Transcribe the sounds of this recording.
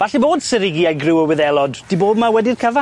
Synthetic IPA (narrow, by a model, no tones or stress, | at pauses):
baɬiboːd̥sɪɾɪɡiajɡrɪwəwɪðɛlˠɔdd̥iboːbmawɛdirkʰəva